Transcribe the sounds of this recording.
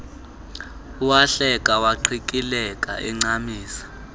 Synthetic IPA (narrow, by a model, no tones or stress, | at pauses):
uwaɬɛkʼawaǃʰikʼilɛkʼa̰ʔɛŋ͡ǀamiːsḁ